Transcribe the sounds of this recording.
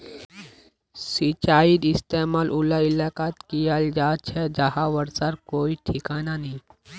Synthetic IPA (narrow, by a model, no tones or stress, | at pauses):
sit͡ʃaːid̪ɪst̪emaːlʔʊlailakat̪kijald͡ʒaːt͡ʃʰɛd͡ʒaɦaʋəɾsaɾkoːiʈʰikaːnanĩː